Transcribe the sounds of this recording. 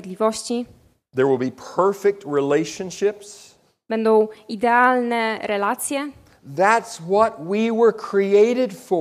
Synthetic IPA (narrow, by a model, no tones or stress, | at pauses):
d̪lʲivɔɕt͡ɕi | ðə˞wɪlˠbipʰɜ˞fɪk̚t̚ɹileɪʃə̃nʃɪps | b̥ɛnd̪ɔ̃w̃id̪ɛalnɛɾɛlat̪sʲjɛ | ðætswʌt̚wiwə˞kʰɹ̥ieɪɾɪdfə